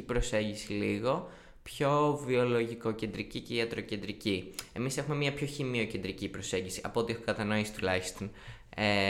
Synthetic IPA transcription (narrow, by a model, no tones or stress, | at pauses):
ipɾo̞se̞ɲɟisiliɣo̞ | pço̞vio̞lo̞ʝiko̞ce̞nd̪ɾicice̞iɐt̪ɾo̞ce̞nd̪ɾicie̞mise̞xume̞mɲɐpço̞çimio̞ce̞nd̪ɾicipɾo̞se̞ɲɟisiʔɐpo̞t̪iexumkɐt̪ɐno̞isi̥t̪ulɐçist̪o̞n | e